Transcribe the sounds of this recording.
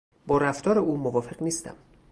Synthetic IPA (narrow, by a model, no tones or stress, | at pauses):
bɒːɾæft̪ʰɒːɾeuːmovɒːfe̞ɣniːst̪æ̰m